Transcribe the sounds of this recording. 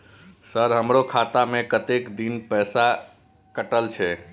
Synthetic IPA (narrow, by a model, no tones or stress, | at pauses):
səɾɦəmɾokʰat̪amekət̪ekd̪inpɛsa | kəʈəlt͡ʃʰɛ